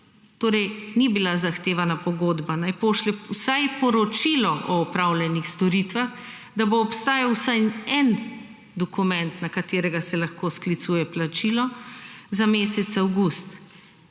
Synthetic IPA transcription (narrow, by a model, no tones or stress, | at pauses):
t̪oːɾɛjnibilazaxt̪eːʋanapɔɡoːd̪banajpoːʃlɛwsajpɔɾɔt͡ʃiːlɔʔɔːpɾawljɛnixst̪ɔɾiːt̪ʋax | d̪aboːpst̪aːjawsajɛn | d̪ɔkumɛ̃nt̪nakat̪eːɾɛɡasɛlaxkoːsklit̪suːjɛplat͡ʃiːlɔzameːsɛt̪sawɡust̪